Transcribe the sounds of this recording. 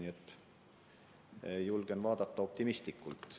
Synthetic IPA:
iet̪ːˑ | julɡ̥envɑːd̪ɑt̪ːɑo̞p̚t̪imist̪likːˑult̪ˑ

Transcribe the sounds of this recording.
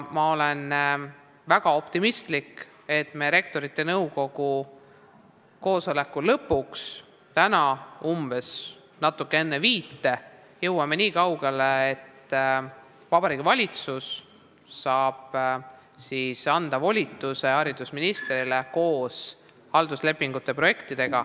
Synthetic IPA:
mɑo̞len | væɡ̥ɑo̞pt̪imist̪lik | e̞t̪ˑmeɾe̞k̚t̪o̞ɾit̪ːˑe̞nɤwko̞ɡ̥u | ko̞ːso̞le̞kːˑulɤpːˑuks | t̪ænɑumb̥e̞s | nɑt̪ːˑukːee̞nːeviːt̪ːe̞ | jɤwwɑme̞niːkɑwɡ̥e̞leet̪ː | vɑbɑɾiːɡivɑlʲit̪susː | ɑːb̥ | sisɑnd̪̥ɑvo̞lʲit̪ːˑuse̞ɑɾid̪̥usminist̪ɾile̞ko̞ːs | hɑld̪̥usle̞pːiŋɡut̪ːˑe̞pro̞je̞kt̪id̪̥e̞ɡ̥ɑ

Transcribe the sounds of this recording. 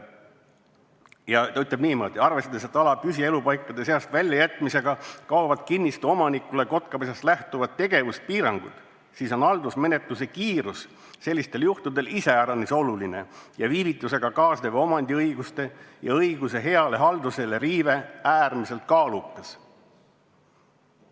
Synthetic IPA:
jɑt̪yt̪ːˑlebniːmɤːd̪̥ʲiɑrvest̪ɑd̪ese̞t̪ːˑɑlɑpysie̞lupɑjkːˑɑd̪e̞se̞ɑst̪vælʲjɑjæt̪ːˑmise̞ɡ̥ɑkɑovɑd̪̚kinːist̪uo̞mɑnikˑule̞ko̞t̪kɑpes̬ɑst̪læht̪uvɑd̪̚t̪ːe̞ɡe̞vust̪̚piːɾɑŋɡ̥ṵd̪̥ | siːso̞nɑld̪usme̞ne̞t̪luse̞kiːɾus | se̞lʲːist̪e̞ljuht̪ud̪e̞lise̞æɾɑniso̞luline̞̰jɑviːvit̪ːˑuse̞ɡ̥ɑkɑːsd̪evo̞mɑnd̪ʲiɤjɡ̥ust̪e̞jɑ̰ɤjɡ̥use̞ɦe̞ɑle̞ɦɑld̪̥use̞leɾiːve̞æːrmise̞lt̪̚kɑːlukːˑɑs

